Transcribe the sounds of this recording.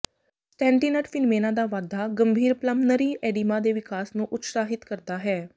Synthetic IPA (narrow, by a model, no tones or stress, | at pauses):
sʈɛ̃ːɳʈiːnəʈfʰɪnmeːnãːd̪aːʋaːd̪ʱːaːɡəmbʱiːɾpləmnəɾiːɛːɖiːmaːd̪eːʋɪkaːsnũːʔʊt̪saːɦɪt̪kəɾd̪aːɦɛː